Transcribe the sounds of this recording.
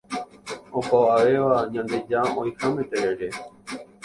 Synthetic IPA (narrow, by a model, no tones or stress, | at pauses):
õkʷaʋaʋe̞ʋaɲãnd̪e̞d͡ʒaõj̃hamẽt̪eɾeɾe̞